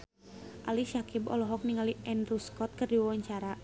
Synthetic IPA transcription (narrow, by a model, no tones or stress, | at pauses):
ʔalisakibɔ̰lɔɦɔk̚niŋaliʔɛnruskɔt̪̚kɨrdiwawaɲt͡ʃaɾa